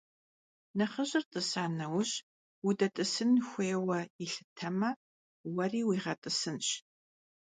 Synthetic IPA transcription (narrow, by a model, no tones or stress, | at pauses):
nɐχəɕʼɪrtʼɨsaːnɐwɕ | wudɐtʼɨsɨnxʷeːwɐiɬɨtʰɐmɐ | wɐriːwiːʁɐtʼɨsɨnɕ